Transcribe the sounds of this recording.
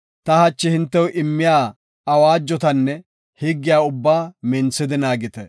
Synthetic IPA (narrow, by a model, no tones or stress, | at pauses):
t̪ɐhɐt͡ʃːɪhɪnt̪ːɛwʊʔɪmːɪjaː | ɐwaːd͡ʒːɔt̪ɐnːɛ | hɪɡːɪjaːʊbːaːmɛnsɪd̪ɪnaːɡɪt̪ɛ